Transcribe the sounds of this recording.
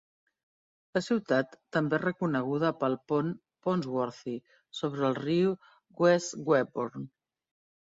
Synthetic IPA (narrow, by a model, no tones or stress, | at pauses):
ləsiwt̪at̪ːəmberəkunəɣ̞uðəpəlˠpɔn | ponzwɔɾθi | soβɾəːlˠriu | ɡwɛsɡwɛboɾn